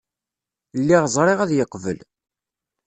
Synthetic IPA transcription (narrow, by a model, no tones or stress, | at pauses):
lːiʁzˤɾˤeʁæðjəqːvə̰l